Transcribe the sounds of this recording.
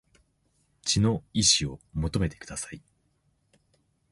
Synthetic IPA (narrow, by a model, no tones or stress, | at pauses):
t͡ɕino̞iɕiomo̞t̪o̞me̞t̪e̞̥kɯ̟d̪asai